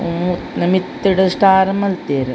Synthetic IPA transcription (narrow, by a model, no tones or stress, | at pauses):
ut̪nɐmit̪ːiɽɐsʈaːɾɐmɐlt̪eːɾɐ